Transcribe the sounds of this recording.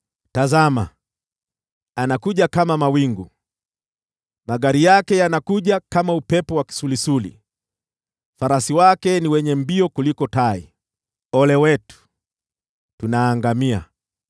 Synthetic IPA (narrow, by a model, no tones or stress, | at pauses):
tazama | anakuʄakamamawiŋɡu | maɠaɾijakɛjanakuʄakamaupɛpɔwaki̥sulisulḭ | faɾasiwakɛniwɛɲɛmbiɔkulikɔtai | ɔlɛwɛtu̥ | tunaːŋɡamia̰